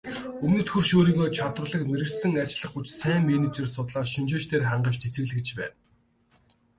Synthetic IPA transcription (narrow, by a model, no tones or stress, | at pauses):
ɵmnɵ̆t̪xɵ̆rʃoːɾiːɣoːt͡ɕʰat̪rə̆ɮə̆kmeɾɘ̆ɮsɘ̆ŋat͡ɕɮə̆χɡut͡ɕsæːŋmenet͡ɕĕrsʊt̪ɮaːsʃint͡ɕeːʃt̪ʰeːrχaɴɢə̆ʃt͡ɕet͡sɘ̆ɣɮɘ̆kt͡ɕpæ̰ːn